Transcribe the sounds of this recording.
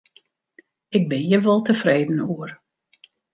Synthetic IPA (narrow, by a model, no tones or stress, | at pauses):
ɪɡ̚bɪnjəʋɔlˠtəfreːdən̩uər